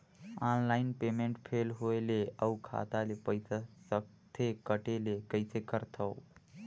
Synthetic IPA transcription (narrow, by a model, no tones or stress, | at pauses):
anlainpemeɳʈpʰelɦoeleəukʰa̰t̪alepəjsasək̚ | t̪ʰekəʈelekəɪsekəɾt̪ʰəw